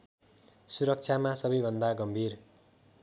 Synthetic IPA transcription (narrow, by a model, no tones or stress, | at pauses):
suɾʌk̚t͡sʰamasʌbʌjbʱʌnd̪aɡʌmbʱir